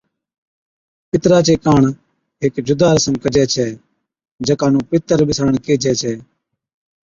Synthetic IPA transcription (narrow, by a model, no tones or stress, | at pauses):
pɪt̪ɾaːt͡ʃeːkaːɳ | ɦɪkd͡ʒʊd̪aːɾəsəmkəd͡ʒɛːt͡ʃʰɛː | d͡ʒəkaːnũːpɪt̪əɾɓɪsɽəɳkeːd͡ʒɛːt͡ʃʰɛː